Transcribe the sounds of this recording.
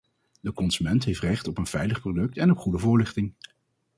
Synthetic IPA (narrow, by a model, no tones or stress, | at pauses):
dəkɔnz̥ymɛntɦejftrɛχtɔpənv̥ɛjləχprodɵk̚tɛnɔpχudəvʊːɹlɪχtɪŋ